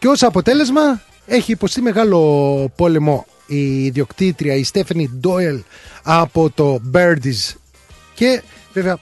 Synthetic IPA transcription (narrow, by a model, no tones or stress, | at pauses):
ceo̞sɐpo̞t̪e̞le̞zmɐ | e̞çiːpo̞st̪ime̞ɣɐlo̞po̞le̞mo̞ | iːðio̞kt̪it̪ɾiɐist̪efɐnid̪o̞elɐpo̞t̪o̞beɾd̪iz | ce̞veveɐ